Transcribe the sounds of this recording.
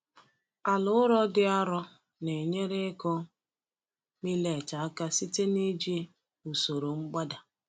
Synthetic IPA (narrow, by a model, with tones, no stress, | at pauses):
a˨lʊ˦ʊ˦ɾɔ˦dɪ˦a˦ɾɔ˦ | ne˨ɲe˦ɾe˦kɔ˦ | mi˦le˨t͡ʃa˨a˦ka˦si˦te˦ni˦d͡ʒi˦ | u˨so˨ɾo˨ŋ͡m̩˦ɡ͡ba˦da˨